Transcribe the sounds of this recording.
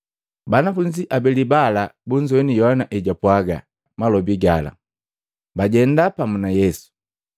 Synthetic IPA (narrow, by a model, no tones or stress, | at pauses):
banafuɲd͡ʒiʔabɛlibalabuɲd͡ʒɔnijɔhanaʔɛɟapwaɡa̰ | malɔbiɡala̰ | baɟɛndapamunajɛsu̥